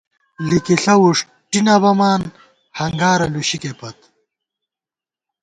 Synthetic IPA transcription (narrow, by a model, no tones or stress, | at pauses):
likiɬɐwuʂ | ʈinabɐmaːn | hɐŋɡaːɾɐluɕikepɐt̪